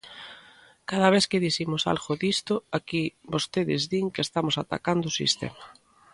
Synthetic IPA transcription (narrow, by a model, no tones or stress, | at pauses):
kaðaβ̞eθkɪðiθimʊsa̰lɣoðist̪ʊakibost̪eðɪ̰zðiŋkeest̪amosat̪a̰kand̪ʊsḭst̪ḛma